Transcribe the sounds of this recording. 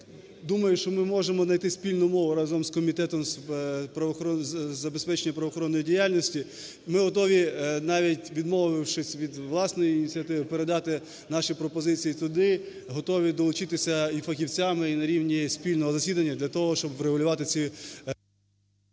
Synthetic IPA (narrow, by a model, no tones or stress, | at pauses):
d̪umɐjʊʃt͡ʃɔmɪmɔʒemɔznɐjt̪ɪsʲpʲilʲnʊmɔʋʊɾɑzɔmskɔmʲit̪ɛt̪ɔmspɾɐʋɔxɔzɐbespɛt͡ʃenʲːɐpɾɐʋɔxɔɾɔnːɔjidʲijalʲnɔsʲtʲi | mɪɦɔt̪ɔʋʲinɑʋʲitʲʋʲid̪mɔʋɪwʃɪsʲʋʲid̪ʋlˠɑsnɔjiːnʲit͡sʲiɐt̪ɪʋɪpeɾed̪ɑt̪ɪ | nɑʃipɾɔpɔzɪt͡sʲijit̪ʊd̪ɪ | ɦɔt̪ɔʋʲid̪ɔlˠʊt͡ʃɪt̪ɪsʲɐifɐxʲiwt͡sʲamɪinɐɾʲiwnʲisʲpʲilʲnɔɦɔzɐsʲid̪ɐnʲːɐd̪lʲɐt̪ɔɦɔʃt͡ʃɔbʋɾeɦʊlʲʊʋɑt̪ɪt͡sʲi